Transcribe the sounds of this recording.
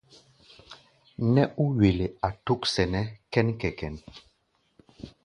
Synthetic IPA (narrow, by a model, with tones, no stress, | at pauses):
nɛ˦ʔu˦ɥe˨le˨a˨tu˦ksɛ˨nɛ˦kɛ˦nkɛ˨kɛ˨n